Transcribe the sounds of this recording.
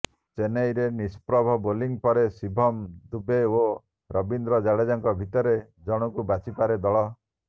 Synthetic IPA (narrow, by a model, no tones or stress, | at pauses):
t͡ʃenejɾenispɾɔbʱɔboliŋpɔɾesibʱɔmd̪ubeo | ɾɔbind̪ɾɔd͡ʒaɽed͡ʒaŋkɔbʱit̪ɔɾe | d͡ʒɔɽ̃ɔkubat͡ʃipaɾed̪ɔɭɔ